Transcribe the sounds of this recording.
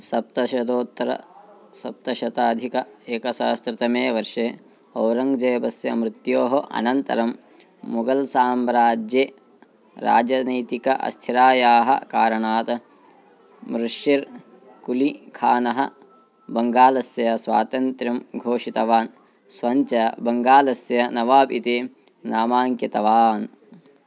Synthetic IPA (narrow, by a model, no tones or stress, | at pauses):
sɐp̚t̪ɐʃɐd̪oːt̪ːɾɐ̰ | sɐp̚t̪ɐʃɐt̪aːd̪ʱikɐeːkɐsa̰ːst̪ɾɪt̪ɐmeːʋɐɾʂeː | ɐwɾɐŋɡd͡ʒɐjbɐsjɐmɾut̪joːɦɐʔɐ̰nɐnt̪ɐ̰ɾɐmː | uɡɐlsaːmɾaːd͡ʒjeː | ɾa̰ːd͡ʒɐnɐjt̪ikɐʔɐ̰st̪ʰiɾaːjaːɦɐ̰kaːɾɐɳaːt̪ɐ | mɾuʂjiɾ | kulikʰaːnɐɦɐ̰ | bɐŋɡaːlɐsjɐjɐsʋa̰ːt̪ɐnt̪ɾɐmɡʱoːʂit̪ɐʋaːn | sʋɐɲt͡ʃɐbɐŋɡaːlɐsjɐnɐʋaːpit̪eː | naːmaːŋkjɐt̪ɐʋaːn